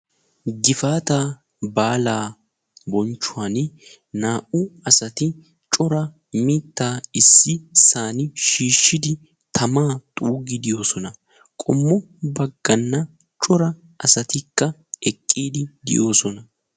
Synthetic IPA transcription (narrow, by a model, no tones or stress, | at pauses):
ɡɪfaːt̪aː | baːlaː | bɔnt͡ʃːʊaːn | naːʔʊɐsɐt̪ɪ | t͡ʃʼɔɾɐ | mɪːt̪ːaːɪsːɪsaːnɪʃiːʃːɪd̪ɪ | t̪ʰɐmaːt̪ʼuːɡɪd̪ɪjo̞ːsɔnɐ | kʼɔmːɔ | bɐɡːɐnːɐ | t͡ʃʼɔɾɐ | ʔɐsɐt̪ɪkːɐɛkʼːiːd̪ɪd̪ɪ̰jo̞ːsɔnɐ